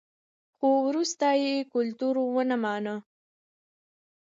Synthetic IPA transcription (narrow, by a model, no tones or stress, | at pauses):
xowɾust̪ajekʊlt̪uɾowənamɑnə